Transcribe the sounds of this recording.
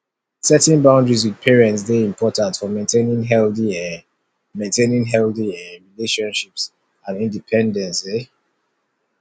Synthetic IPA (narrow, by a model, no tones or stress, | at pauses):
sɛtɛ̃nbãʊ̃ndɹizwið̥pʰɛɹɛ̃nts̬deĩmpʰɔtãntfɔmẽntʰenĩŋɦɛldiɛ | mẽntʰenĩŋɦɛldiɛɹileʃɔ̃nʃips | ãnĩndipʰɛ̃ndɛ̃nse